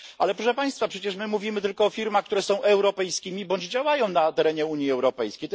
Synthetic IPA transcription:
alɛpɾɔʂɛpaj̃st̪fapʂɛt͡ɕɛʂmɘmuvʲimɘt̪ɘlkɔːfʲiɾmaxk̚t̪uɾɛsɔ̃w̃ʔɛwɾɔpɛjskʲimʲibɔɲd͡ʑd͡ʑawajɔ̃w̃nat̪ɛɾɛɲɛuɲjiɛwɾɔpɛjskʲejt̪

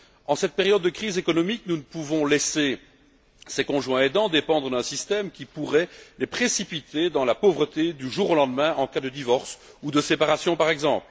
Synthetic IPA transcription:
ɑ̃sɛt̪̚peʁjɔd̪ːəkχizekɔnɔmiknunəpuvɔ̃lese | sekɔ̃ʒwɛ̃ed̪ɑ̃d̪epɑ̃d̪ʁəd̪ɛ̃sist̪ɛmkʲipuʁɛlepχesipit̪ʰed̪ɑ̃lapovʁət̪ed̪yʒuːʁolɑ̃d̪mɛ̃ʔɑ̃kad̪əd̪ivɔʁsud̪əsepaʁasjɔ̃paʁɛɡzɑ̰̃pl

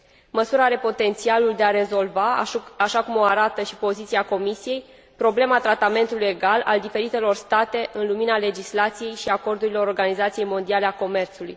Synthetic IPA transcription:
məsuɾaaɾe̞po̞t̪e̞nt̪sialuld̪e̞aɾe̞zo̞lvaaʃakumo̞aɾat̪əʃipo̞zit̪siako̞misije̞j | pɾo̞ble̞mat̪ɾat̪ame̞nt̪uluje̞ɡalald̪ife̞ɾit̪e̞lo̞rst̪at̪e̞ʔɨnluminale̞d͡ʒislat̪sije̞jʃiako̞rd̪uɾilo̞ɾorɡanizat̪sije̞jmo̞nd̪iale̞ako̞me̞rt̪suluj

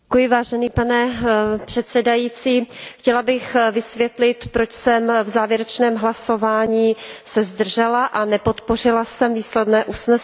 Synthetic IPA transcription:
kujɪvaːʒɛniːpanɛpr̥ɛt̪sɛdajiːt͡siːxcɛlabɪxvɪsvjɛt̪lɪt̪pɾo̞t͡ʃsɛmvzaːvjɛɾɛt͡ʃnɛːmɦlasovaːɲiːsɛzd̪r̩ʒɛlaʔanɛpo̞t̪por̝ɪlasɛmviːslɛdnɛːʔusnɛs

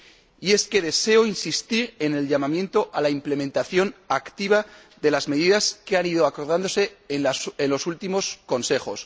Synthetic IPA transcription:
ie̞ske̞ðe̞se̞o̞insist̪iɾe̞ne̞lʝamãmjẽ̞nt̪o̞ʔalaimple̞ment̪aθjo̞nakt̪iβa | ðe̞lazme̞ðiðaskeaniðo̞ako̞ɾð̞and̪ose̞ | enlo̞sult̪imo̞sko̞nse̞χo̞s

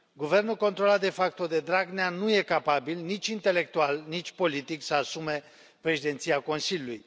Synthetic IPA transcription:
ɡuve̞rnulko̞nt̪ɾo̞lat̪̚d̪e̞fak̚t̪od̪e̞d̪ɾaɡneanuje̞kapabilnit͡ʃʲint̪e̞le̞k̚t̪ualnit͡ʃʲpo̞lit̪iksəasume̞ | pɾe̞ʃid̪e̞nt̪siako̞nsilʲuluj

